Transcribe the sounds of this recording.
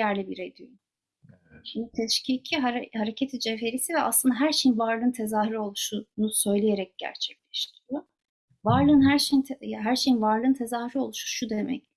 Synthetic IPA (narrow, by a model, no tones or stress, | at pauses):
æɾlʲibiɾed̪yj | ʃimd̪it̪ʰɛʃcicʰiɦaɾhaɾecʰet̪ʰid͡ʒefe̞ɾisivɛa̰slˠɯnd̪aɦæɾʃejinvaɾlˠɯːnt̪ʰe̞zaːhyɾio̞lˠuʃunusø̞jlʲeje̞ɾɛc̚ɟ̥æ̰ɾt͡ʃʰɛclʲɛʃt̪ʰiɾijo | vaɾlˠɯːnɦæɾʃejint̪ʰɦæɾʃejinvaɾlˠɯːnt̪ʰe̞zaːhyɾio̞lˠuʃuʃud̪emɛ̰c